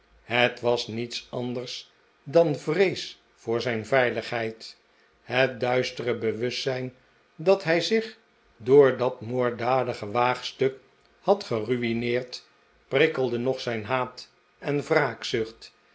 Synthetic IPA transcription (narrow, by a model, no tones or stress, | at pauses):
ɦətʋɑsnitsɑndərs | dɑnvrejs | fʊːɹzɛjnvɛjləχɦɛjt | ɦət̚dœɥstərəbəʋɵsɛjn | dɑtɦɛjzɪχ | dʊːɹdɑtmoːɹdaːdəχəʋaːχstɵk | hɑtχəryinɪːɹt | prɪkəlˠdənɔχsɛjnɦaːt | ɛnvraːksɵχt